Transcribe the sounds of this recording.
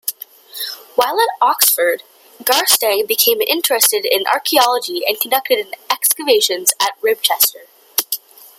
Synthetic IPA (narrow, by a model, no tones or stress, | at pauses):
waɪlˠətɑksfə˞d̚ | ɡɑɹstɛ̃bɨkʰẽɪ̃mɪ̰̃nt͡ʃɹ̥ɨstɨɾɪ̃nʔɑ̰ɹkʰiɑlˠəd͡ʒiɨ̰̃nkʰn̩dʌk̚tɨɾɨ̃nɛkskəveɪʃɨ̃nzɨt̚ɹɪb̚t͡ʃʰɛstə˞